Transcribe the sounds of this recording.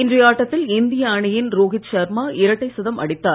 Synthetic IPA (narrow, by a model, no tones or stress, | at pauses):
ɪndrɐjaːʈːɐt̪ːɪlɪnd̪ɪjɐːɳɪjɪnɾoːɣɪt̪ʃɐɾmaːʔɪɾɐʈːɐɪsɐðɐmʔɐ̰ɽɪt̪ːaː